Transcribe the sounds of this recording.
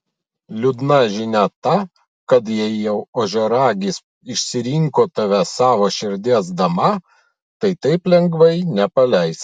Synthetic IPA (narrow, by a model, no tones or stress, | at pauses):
lʲʊd̪nɐʒʲɪnʲæt̪ɐ | kɐt̪jɛɪjɛʊoːʒʲoːɾɑːɡʲis | ɪʃʲsʲɪɾʲiŋkoːt̪ɐʋʲɛsɑːʋoːʃʲɪɾʲd̪ʲiɛsd̪ɐmɐ | t̪ɐɪt̪ɐɪplʲɛŋɡʋɐɪnʲɛpɐlʲɛɪs